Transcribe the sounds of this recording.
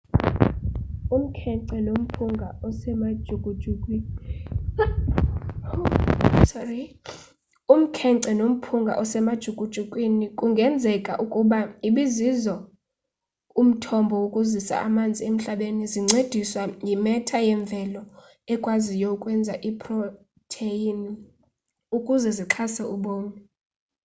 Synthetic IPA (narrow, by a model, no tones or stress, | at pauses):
um̩kʰɛǀɛnom̩pʰuŋɡʱaɔsɛmad̥ʒ̥ʱuɡ̥ʱʼud̥ʒ̥ʱukʼwi | sɔri | um̩kʰɛǀɛnom̩pʰuŋɡʱa̰ʔɔsɛmad̥ʒ̥ʱuɡ̥ʱʼud̥ʒ̥ʱukʼwinikʼuŋɡʱɛnd͡zʱɛkʼa̰ʔukʼuɓaiɓizizɔ | um̩tʰɔmbʱɔwokʼuzisa̰amand͡zʱiem̩ɬaɓeniziŋ͡ǀed̥ʱiswajimɛtʰajɛɱb̪vʱɛlɔ | ɛkʼwazijokʼwɛnd͡zʱaʔipʰʼrɔ | tʰeini | ukʼuzɛziǁʰasɛuɓoːnɛ